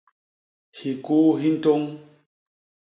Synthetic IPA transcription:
hi˨ku˦ɦi˦n̩˦to˦ŋ

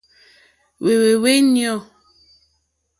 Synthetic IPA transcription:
we˨we˨we˦njɔ˦˨

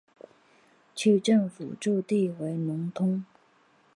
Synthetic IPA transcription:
t͡ɕʰy˥˧ʈ͡ʂɤ˥˩ŋfṵ˨˩ʈ͡ʂu˥˧t̪i˥˩we˧˥ɪnʊ˧˥ŋt̪ʰʊ˥ŋ

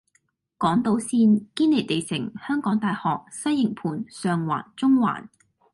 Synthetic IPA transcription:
kɔː˨˥ŋt̪o˨˧wsiː˧nkiː˥nle˨˩jt̪e˨jsɪ̰˨˩ŋhœː˥ŋkɔː˨˥ŋt̪aː˨jhɔː˨k̚sɐ˥jːɪ˨˩ŋpʰuː˨˩nsœː˨ŋwa̰ː˨˩nt͡sʊ˥ŋwa̰ː˨˩n

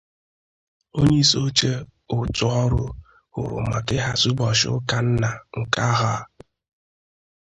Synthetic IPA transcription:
o˦ɲe˦i˦so˦t͡ʃe˦ | ʊ˨tʊ˨ɔ˦ɾʊ˦ | hʊ̰˨ɾʊ̰˨ma˨kɪ˦ɦa˨su˦bɔ˨ʃʊ˦ka˨n̩˦na˨ŋ̩˨ka˦ɦa˦˨

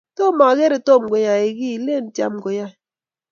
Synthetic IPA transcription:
to˦ma˨ɣe˦ɾi˨to˦˨m̩˨ɡʷo˨ja˨e˨ɡi˦˨˦le˦˨n̩˦tja̰˦mŋ͡m̩˨ɡo˨ja˦

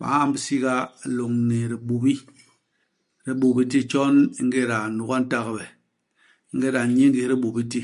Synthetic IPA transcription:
ɓa̰˨ŋa˦˨m˦bi˦si˦ɡa˦˨lo˨ŋne˨ɾi˨ɓu˨bi˦ | ɾe˦ɓo˨bi˦ti˦t͡ʃɔ˦ni˦ŋ˦ɡe˦ɾa˨nu˨ɣa˦n˦ta˦ɣbɛ˨ | i˦ŋ˦ɡe˦ɾa˨ɲe˦ŋɡi˨˦ɾi˦ɓo˨bi˦ti˦

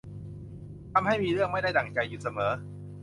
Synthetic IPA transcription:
t̪ʰa˧mha˥˩jmiː˧ɾɯ˥˩əŋma˥˩jda˥˩jt̪a˨˩ŋt͡ɕa˧jːu˨˦˩sa˧mɤː˩˦˥

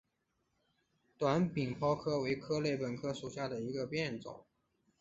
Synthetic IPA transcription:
t̪wa˧˥npi˨˩ŋpʰɑ˥ʊkʰɤ˥we˧˥ɪkʰɤ˥le˥˩ɪpə˨˩nkʰɤ˥ʂu˨˩ɕja˥˩d̪ə˩i˧˥ɡə˧pjɛ˥˩nt͡so̰˨˩˦ŋ

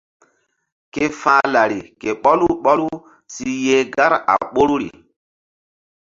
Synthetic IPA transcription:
ke˦fãː˦la˨ɾi˨ke˨ɓɔ˦lu˦ɓɔ˦lu˦ | si˦je˦ɡa˦ɾa̰˨ɓo˦ɾu˦ɾḭ˨

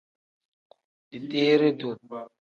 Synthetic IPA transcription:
di˨tʼeː˦ɾe˦do˨

